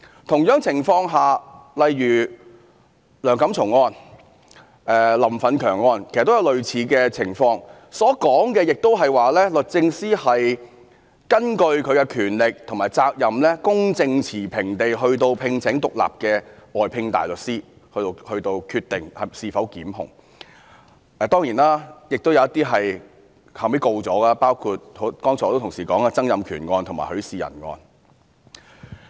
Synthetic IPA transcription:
t̪ʰʊ˨˩ŋjœː˨˥ŋt͡sʰɪ˨˩ŋfɔː˧ŋɦaː˨˩lɐ˨jjyː˨˩ | lœː˨˩ŋkɐ˨˥mt͡sʰʊ˨˩ŋɔː˧n | ʔɛː˨lɐ˨˩mfɐ˨˧nkʰœː˨˩ŋːɔː˧nkʰe˨˩st̪jwlɵ˨ɥt͡sʰiː˨˧kɛː˧t͡sʰɪ˨˩ŋfɔː˧ŋ | sɔː˨˥kɔː˨˥ŋkɛː˧jɪ˨k̚t̪o˥wɦɐ˨jwaː˨lɛː˥lɵ˨t̚t͡sɪ˧ŋsiː˥hɐ˨j | kɐ˥nkɵ˧ɥkʰɵ˨˧ɥkɛ˧kʰyː˨˩nlɪ˨k̚t̪ʰŋmaː˨˩jt͡saː˧k̚jɐ˨mlɛː˥kʊ˥ŋt͡sɪ˧ŋt͡sʰiː˨˩pʰɪ˨˩ŋt̪e˨jɦɵ˧ɥt̪o˧wpʰɪ˧ŋt͡sʰɪ˨˥ŋt̪ʊ˨k̚la̰ː˨p̚kɛː˧ʔɔː˨˩jpʰɪ˧ŋt̪a̰ː˨jlɵ˨˩t̚siː˥ | hɵ˧t̪o˧hɵ˧ɥt̪o˧wkʰyː˧t̚t̪ɪ˨ŋhɐ˨˩siː˨˩fɐ˨˥wkiː˨˥mɦʊ˨˩ŋ | ɛ˨˧t̪ɔː˥ŋjiː˨˩naː˥jɪ˨k̚t̪o˥wjɐ˨˧wɐ˥t̪iː˥ɦɐ˨j | haː˨˩me˨˥ko˧wt͡sɔː˨˥ɡaː˧paː˥wkʰuː˧t̚ho˨˥kɔː˥ŋt͡sʰɔː˨˧˥t̪o˥t̪ʰʊ˨˩ŋsiː˨˩kɔː˨˥ŋaː˧t͡sɐ˥ŋjɐ˨mkʰyː˨˩nŋɔː˧nt̪ʰma̰ː˨˩hɵ˨˧ɥsiː˨jɐ̰˨˩nŋɔ̰ː˧n

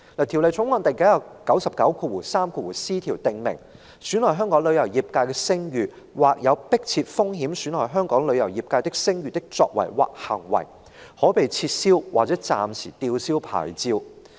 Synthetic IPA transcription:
laː˨˩t̪ʰi˨˩wle˨jt͡ʃʰʊ˨˧˥ŋwɔː˧nt̪e˨˩jke˨˥jɐ˨˩kɐ˨˥wsɐ˨p̚kɐ˨˥wkʰuː˧wuː˨˩saː˥mkʰuː˧wuː˨˩siː˥t̪ʰiː˨˩wt̪ɪ˨ŋmɪ̰˨˩ŋ | syː˨˥nlɔː˨˩jɦœː˥ŋkɔː˨˥ŋlɵ˨˧ɥjɐ˨˩wjiː˨p̚kaː˧jkɛː˧sɪ˥ŋjyː˨ | waː˨˩k̚jɐ˨˧wpɪ˥k̚t͡sʰiː˧t̚fʊ˥ŋɦiː˨˥msy˨˥nlɔː˨˩ɦœː˥ŋkɔː˨˥ŋlɵ˨˧ɥjɐ˨˩wjiː˨p̚kaː˧jt̪ɪ˥k̚sɪ˥ŋjyː˨t̪ɪ˥k̚t͡sɔː˧k̚wɐ̰˨˩jwa̰ː˨k̚hɐ̰˨˩ŋwɐ̰˨˩j | hɔː˨˥pe˨jt͡sʰiː˧t̚siː˥wwaː˨k̚t͡sɛː˨˥t͡sa̰ː˨˧msiː˨˩t̪iː˧wsiː˥wpʰa̰ː˨˩jt͡siː˧w

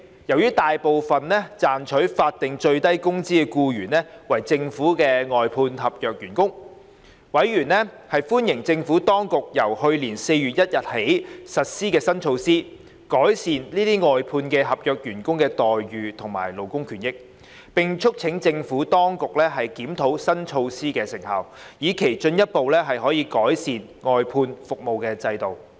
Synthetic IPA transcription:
jɐ˨˩wjyː˥t̪aː˨jpo˨wfɐ˨nlɛ˥t͡saː˨nt͡ʃʰɵ˨˥ɥfaː˧t̚t̪ɪ˨ŋt͡ʃɵ˧ɥt̪ɐ˥jkʊ˥ŋt͡siː˥kɛː˧kuː˧ɥyː˨˩nɛ˥wɐ˨˩jt͡sɪ˧ŋfuː˨˥kɛː˧ŋɔː˨jpʰuː˧nɦɐ˨p̚jœː˨k̚jyː˨˩nkʊ˥ŋ | wɐ˨˥jɥyː˨˩nlɛ˥ | hɐ˨jfuː˥njɪ˨˩ŋt͡sɪ˧ŋfuː˨˥t̪ɔː˥ŋkʊ˨k̚jɐ˨˩whɵ˧ɥliː˨˩nse˧jyː˨t̚jɐ˥t̚jɐ˨t̚he˨˥jsɐ˨t̚siː˥kɛː˧sɐ˥nt͡ʃʰo˧wsiː˥ | kɔː˨˥jsiː˨nliː˥t̪iː˥ŋɔː˨jpʰuː˧nkɛː˧ɦɐ˨p̚jœː˨k̚jyː˨˩nkʊ˥ŋkɛː˧t̪ɔː˨jɥyː˨t̪ʰʊ˨˩ŋma̰ː˨˩jlo˨˩wkʊ˥ŋkʰyː˨˩njɪ˥k̚ | pɪ˨ŋt͡ʃʰʊ˥k̚t͡sʰɪ˨˥ŋt͡sɪ˧ŋfuː˨˥t̪ɔː˥ŋkʊ˨k̚lɛː˥ɦɐ˨jkiː˨˥mt̪ʰo˨˥wsɐ˥nt͡ʃʰo˧wsiː˥kɛː˧sɪ˨˩ŋhɐ̰˨˩wjiː˨˧kʰe˨˩jt͡ʃɵ˧njɐ˥t̚po˨wlɛ˥ɦɐ˨jɦɔː˨˥jiː˨˧kɔː˨˥jsiː˨n | ŋɔː˨˧jpʰuː˧nfʊ˨k̚mo˨wkɛː˧t͡sɐ˧jt̪o˨w

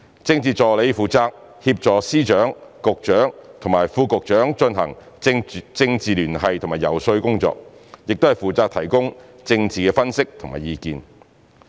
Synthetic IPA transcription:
t͡sɪ˧ŋt͡siː˨t͡sɔː˨le˨˧jfuː˨t͡saː˧k̚ | hiː˧p̚t͡sɔː˨siː˥t͡ʃœː˨˥ŋkʊ˨k̚t͡ʃœː˨˥ŋt̪ʰʊ˨˩maː˨˩jfuː˧kʊ˨k̚t͡ʃœː˨˥ŋt͡ʃɵ˧nɦɐ̰˨˩ŋ | t͡sɪ˧ŋt͡siː˨lyː˨˩nɦɐ˨jt̪ʰʊ˨˩ŋmaː˨˩jɐ˨˩wsɵ˧ɥkʊ˥ŋt͡sɔ̰ː˧k̚jɪ˨k̚t̪o˥hɐ˨jfuː˨˩t͡saː˧k̚t̪ʰɐ˨˩jkʊ˥ŋ | t͡sɪ˧ŋt͡siː˨˩kɛː˧fɐ˥nsɪ˥k̚t̪ʰʊ˨˩ŋma̰ː˨˩jiː˧kiː˨˧n

